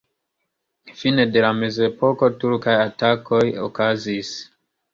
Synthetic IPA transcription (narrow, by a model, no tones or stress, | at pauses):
fine̞de̞lame̞ze̞po̞ko̞tuɾkajatako̞jo̰kazis